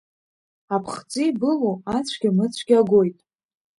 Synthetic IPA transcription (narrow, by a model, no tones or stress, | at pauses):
apʰχt͡sʷʼibɨloat͡sʷʰɡʲamɨt͡sʷʰɡʲaɡʷojtʼ